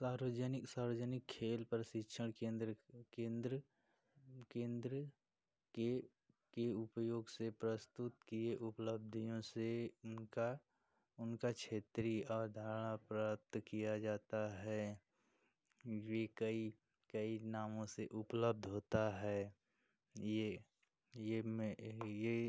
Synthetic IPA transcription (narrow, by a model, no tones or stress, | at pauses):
saːɾəd͡ʒənɪksaːɾəd͡ʒənɪkʰːeːlpəɾʃɪkʃʰəɽ̃ẽnd̪ɾkẽːnd̪ɾə | kẽːnd̪ɾə | ke | keʊpjoːɡsepɾəst̪ʊt̪kieʔʊpləb̚d̪ʱijõse | a | ʊnkakʰʃʰeːt̪ɾiɔːɾd̪ʱaːɾəɽ̃apɾap̚t̪kijad͡ʒaːt̪aɦɛː | jekəi | kəinaːmõseʔʊpləb̚d̪ʱɦoːt̪aɦɛː | je | jemeje